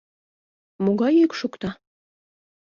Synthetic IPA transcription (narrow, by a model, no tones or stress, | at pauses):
moɣɑjikʃukt̪ɑ